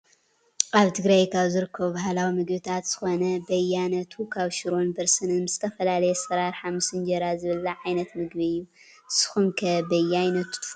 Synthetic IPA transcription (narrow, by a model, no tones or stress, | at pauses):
kʼaβt̪ʰɨɡɾajkʰaβzɨɾɨkʰːɐβubahlawimɨɡbɨt̪ʰat̪z̥ɨxo̞nɐbɐjanɐt̪ʰukʰaβʃɪɾonbɐɾsɨnɨnmɨzɨt̪ʰɐfɐlalɐjɛsɐɾaɾħamɨsɨnd͡ʒɐɾazɨβɨlːɐʕajnɐt̪mɨɡbɨjːu | sɨ̥xunkʰɐbɐjajnɐt̪u̥